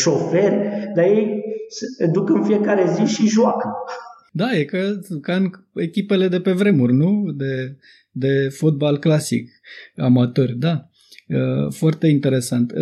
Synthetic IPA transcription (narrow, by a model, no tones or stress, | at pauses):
ʃofe̞rʲd̪ajejsd̪ukɨnfie̞kaɾe̞ziʃiʒoakə | d̪ajekəkanekʲipe̞le̞d̪e̞pe̞vɾe̞murʲnud̪e̞ | d̪e̞fo̞t̪̚balklasḭk | a̰mat̪o̞rʲd̪a | əfoart̪e̞int̪e̞ɾe̞sant̪